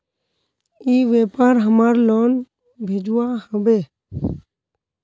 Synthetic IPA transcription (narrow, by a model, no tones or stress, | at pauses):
iːʋeːpaːɾɦəmaːɾloːn | bʱeːd͡ʒuwaːhəbeː